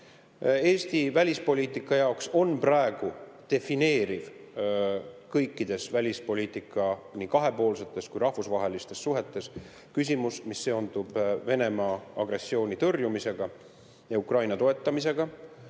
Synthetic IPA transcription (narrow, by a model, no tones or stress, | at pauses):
e̞ːst̪ivælʲispo̞lʲiːt̪ːˑikːˑɑjɑokso̞nprɑe̞ɡ̥ut̪e̞fine̞ːɾiv | kɤjkːˑid̪̥e̞svælʲispo̞lʲiːt̪ːˑikːˑɑnikɑɦe̞po̞ːlse̞t̪ːˑe̞skujɾɑhfusvɑɦe̞list̪e̞sːuɦe̞t̪ːˑe̞s | kys̬ʲimusmisːe̞ond̪ub̥ve̞ne̞mɑːɑɡre̞sːio̞ːnʲit̪ɤrjumise̞ɡ̥ɑ | jɑukrɑjnɑt̪o̞e̞t̪ːˑɑmis̬e̞ɡ̥ɑ